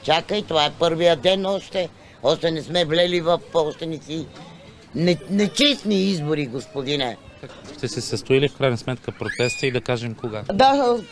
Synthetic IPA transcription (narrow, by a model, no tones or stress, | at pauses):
t͡ʃakəit̪ovaɛpɤɾvijəd̪ɛnɔʃt̪ɛ | ɔʃt̪ɛnɛsmɛvlɛlivɐfɔʃt̪ɛnisi | nɛnɛt͡ʃɛst̪niizboɾiɡospod̪inɛkakt̪ɛsɛsɐst̪oilifkɾajnɐsmɛt̪kəpɾot̪ɛst̪əid̪ɐkaʒɛmkoɡad̪a